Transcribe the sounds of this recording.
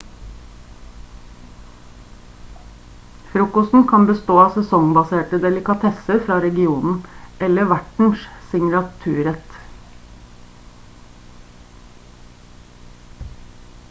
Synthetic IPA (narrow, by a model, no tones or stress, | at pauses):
fɾuːkɔst̪n̩kʰɑnbəst̪oːɑːsɛsɔŋbɑseːʈəd̪ɛlɪkɑt̪ʰɛsəfɾɑːɾɛɡɪuːnn̩ʔɛləʋæʈɳ̩ʃsɪŋlɑt̪ʰʉːɾɛt̪